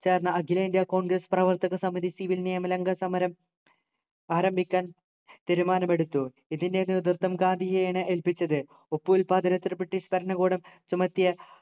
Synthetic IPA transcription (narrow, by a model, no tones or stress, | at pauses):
t͡ɕe̞ːrnːɐɐɡilɐind̪jaːko̞ːɳɡrɐsprɐʋɐrt̪ɐɣɐsɐmiðisiʋilniɐmɐlɐŋɡɐsɐmɐɾɐm | aːɾɐmbʱikʲːaːn | t̪iɾumaːnɐme̞ɽut̪ːu | iðindeniðɨrt̪ːɐmkaːd̪ijejɳɨʔelpit͡ɕːɐðɨ | opːuilpaːd̪ɐɾɐt̪ːirɨpiʈːispɐɾɐnɐɣoːɽɐmt͡ɕumɐt̪ːjɐ